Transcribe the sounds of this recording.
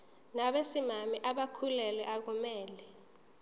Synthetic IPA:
naɓesimamiʔaɓakʰulɛlɛʔak̬umɛːlɛ

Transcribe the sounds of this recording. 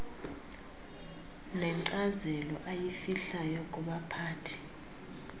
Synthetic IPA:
nɛŋǀazɛlɔʔajifiɬajɔkʼuɓapʰaːtʰi̥

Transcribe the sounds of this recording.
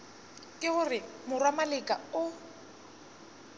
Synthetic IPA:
kʼɪɣʊrɪmʊrwamalɪkʼaʊ

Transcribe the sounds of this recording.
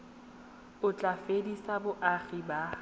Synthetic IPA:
ʊt͡ɬʼafedisabʊʔaχiba

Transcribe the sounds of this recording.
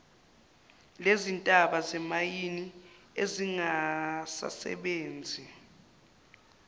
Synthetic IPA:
lezintʼaɓazɛmajini | eziŋasa̰sɛ̰ɓeːnd͡zʱi

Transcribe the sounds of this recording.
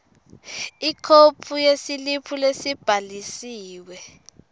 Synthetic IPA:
ikʰopʰujesilipʰulesib̥ʱalisiːwɛ

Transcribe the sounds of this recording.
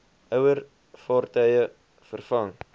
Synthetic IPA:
œwər | fɑːrtœjə | fərfɐŋ

